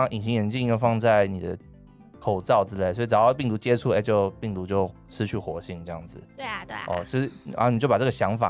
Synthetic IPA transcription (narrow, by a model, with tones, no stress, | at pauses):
ʔi˨˩ŋɕi˧˥jɛ˧˦˥nt͡ɕi˥˧˥wfɑ˥˧ŋt͡sa˥˩ɪni˨˩d̪ə̰˦ | kʰo˨˩ʊt͡sɑ˥˩ʊʈ͡ʂɻ̩˥le˥˩ɪswɔ˧˥i˨˩ʈ͡ʂɑ˨˩ɑ˥˧p̬i˥˩ŋt̪u˧˥t͡ɕjɛ˥ʈ͡ʂʰu˥˩e˧˥˩t͡ɕjo˥˧ʊpi˥˩ŋt̪u˧˥t͡ɕjo˥˩ʊ | ʂɻ̩˥t͡ɕʰy˥˩xwɔ˧˥ɕi˥˧ŋʈ͡ʂɤ˥˧jɑ˥˩ŋd͡zɹ̩˩ɔ̰˥˧t͡ɕjo˥˧ʊʂ̩˥˩a̰˧˥n˨t͡ɕjo˥˩pa˨˩ʈ͡ʂɤ˥ɡə˩ɕjɑ˧˥ŋfa̰˨˩